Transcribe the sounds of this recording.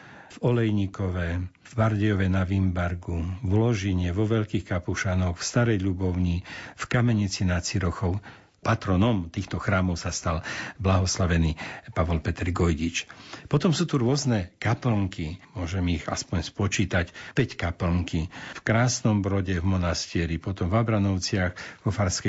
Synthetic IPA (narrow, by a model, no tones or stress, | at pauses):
vɔlɛjɲikɔʋɛ | vbaɾɟɛjɔʋɛnaʋimbaɾɡuvlɔʒiɲɛʋɔʋɛʎkiːxkapuʃanɔwfst̪aɾɛjʎubɔʊɲifkamɛɲit͡sinat̪t͡siɾɔxɔʊ | pat̪ɾɔnɔmt̪iːxt̪ɔxɾaːmɔʊsast̪alblaɦɔslaʋɛniːpaʋɔlpɛt̪ɛɾɡɔjɟit͡ʃpɔt̪ɔmsuːt̪uɾʊɔznɛkapl̩ŋkimʊɔʒɛmiɣa̰spɔɲspɔt͡ʃiːt̪acpɛckapl̩ŋkifkɾaːsnɔmbɾɔɟɛvmɔnast̪iɛɾipɔt̪ɔmvabɾanɔʊt͡sɪaxvɔfaɾskɛ